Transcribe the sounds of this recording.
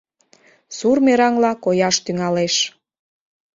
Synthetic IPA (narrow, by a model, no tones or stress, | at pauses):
surmeɾɑŋlɑkojɑʃt̪yŋɑleʃ